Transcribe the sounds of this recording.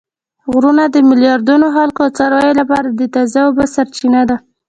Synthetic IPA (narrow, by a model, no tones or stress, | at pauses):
ɣɾunad̪əmɪljɑɾd̪unoxalkot͡sɑɾajolapɑɾad̪ət̪azawobasaɾt͡ʃinad̪a